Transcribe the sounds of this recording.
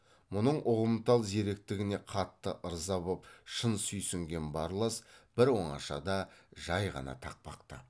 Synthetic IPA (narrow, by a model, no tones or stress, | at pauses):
mʊnəɴʔʊʁəmt̪ɑlˠzeɾek̚t̪ɪɡʲɪne̞qʰɑt̪ːəʔəɾzɑβəpʃənsʏjsʏŋɡʲe̞nbɑɾlˠɑsb̥ɪɾwo̞ɴɑ̰ʃɑ̰d̪ɑʒɑjʁɑ̰nɑ̰t̪ʰɑq̚pɑ̰qt̪ə